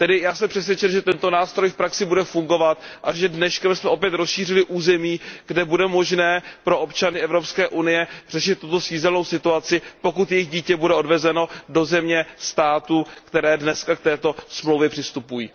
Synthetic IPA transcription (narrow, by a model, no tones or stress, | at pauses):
t̪ɛdɪjaːsɛmpr̥ɛs̬vjɛt͡ʃɛmʒɛt̪ɛnt̪o̞naːst̪ɾo̞jfpɾaksɪbudɛfuŋɡo̞vat̪ʔaʒɛdnɛʃkɛmsmɛopjɛt̪ɾo̞sʃiːrɪlɪʔuːzɛmiːɡ̥dɛbudɛmo̞ʒnɛːpɾo̞ʔo̞pt͡ʃanɪɛvɾopskɛːʔunɪjɛr̝ɛʃɪt̪ːut̪o̞siːzɛlnowsɪt̪uat͡sɪpo̞kut̪jɛjɪɣɟiːcɛbudɛo̞dvɛzɛno̞do̞zɛmɲɛst̪aːt̪uːkt̪ɛɾɛːdnɛskak̚t̪ɛːt̪o̞smlowvjɛpr̝̥ɪst̪upujiː